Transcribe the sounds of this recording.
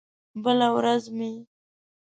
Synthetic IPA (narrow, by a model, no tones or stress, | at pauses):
bəlawɾazmi